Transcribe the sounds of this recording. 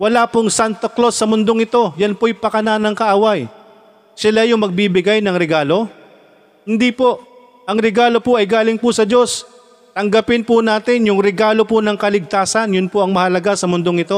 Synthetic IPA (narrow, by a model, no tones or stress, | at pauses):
wɐlapʊŋsant̪oklo̞sːɐmʊnd̪o̞ŋɪt̪o̞jɐnpojpɐkɐnanɐŋkɐʔaːwɐj | sɪlajʊŋmɐɡ̚bibɪɡajnɐŋɾɛɡaːlo̞ | hɪnd̪ipo̞ | ʔɐŋɾɛɡaːlo̞poʔɐjɡaːlɪŋpʊsɐd͡ʒo̞s | t̪ɐŋɡɐpɪnpʊnaːt̪ɪnjʊŋɾɛɡaːlo̞pʊnɐŋkɐlɪɡ̚t̪aːsɐnjʊnpoʔɐŋmɐhɐlɐɡasɐmʊnd̪o̞ŋɪt̪o̞